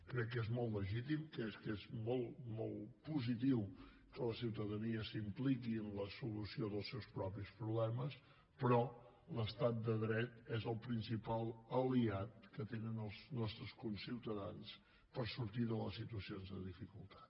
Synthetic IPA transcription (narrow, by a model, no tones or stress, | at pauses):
kɾɛkːezmɔlˠt̪ːləʒit̪imkɛskezmɔlˠmɔlˠpuzit̪iw | kələsiwt̪əðəniəsimplikiənləsulusioðəlˠsɛwspɾɔpispɾuβlɛməs | pɾɔ | ləst̪at̪̚d̪əðɾɛt̪ɛzəlˠpɾinsipalˠəliat̪̚kət̪enənəlˠznɔst̪ɾəskunsiwt̪əðans | pəɾsuɾt̪iðələsːit̪uəsionzðəðifikulˠt̪ḁt̪